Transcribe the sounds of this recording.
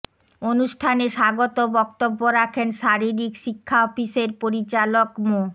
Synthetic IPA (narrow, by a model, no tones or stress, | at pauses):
onuʃʈʰaneʃaɡot̪obɔkt̪obːoɾakʰenʃaɾiɾikʃikʰːaɔfiʃeɾpoɾit͡ɕalokmo